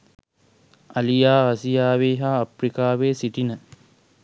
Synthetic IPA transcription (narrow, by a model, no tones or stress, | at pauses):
ɐlijaːaːsijaːʋeːɦaːɐpɾikaːʋeːsiʈinə